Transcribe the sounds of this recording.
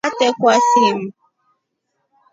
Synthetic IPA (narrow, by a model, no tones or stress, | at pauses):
atɛkʷasim̩